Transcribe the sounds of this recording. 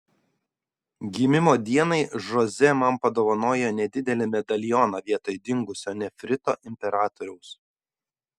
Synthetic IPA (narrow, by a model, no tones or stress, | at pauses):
ɡʲiːmʲɪmoːd̪ʲiɛnɐɪʒɔzʲɛmɐmpɐd̪oːʋɐnoːjonʲɛd̪ʲɪd̪ʲɛlʲɪmʲɛd̪ɐlʲɪjoːnɑʋʲiɛt̪oɪd̪ʲɪŋɡʊsʲoːnʲɛfʲɾʲɪt̪o̰ːʔɪmʲpʲɛɾɑːt̪ɔɾʲɛʊs